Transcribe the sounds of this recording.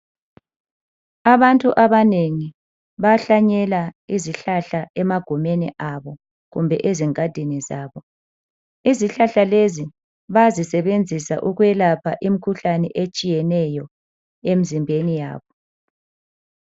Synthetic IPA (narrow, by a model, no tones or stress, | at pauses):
aβantʼuʔaβaneŋi | βaɬaɲɛlaiziɬaɬaɛmaɡ̥ʱumeniʔaβɔ | ɣumbʱɛʔeziŋad̥ʱinizaːβɔ | iziɬaɬalezi | βazisɛβend͡zʱisa̰ʔuɣwɛlapʰaʔimikʰuɬanɛ̰ʔet͡ʃʼijɛnɛjɔ | em̩zimbʱenija̰ːβɔ